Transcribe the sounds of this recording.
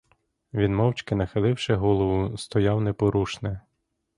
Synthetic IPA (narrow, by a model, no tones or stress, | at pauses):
ʋʲinmɔwt͡ʃkɪnɐxɪlˠɪwʃɪɦɔlˠɔʋʊst̪ɔjɑwnɛpɔɾuʃnɛ